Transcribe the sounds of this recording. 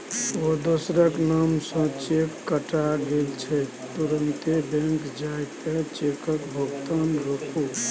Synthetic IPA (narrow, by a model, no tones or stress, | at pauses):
od̪osɾəknamsə̃t͡ʃekːəʈaɡelt͡ʃʰɛ | t̪uɾənt̪ebẽŋkd͡ʒajt̪et͡ʃekəkbʱəɡt̪anɾəkʰu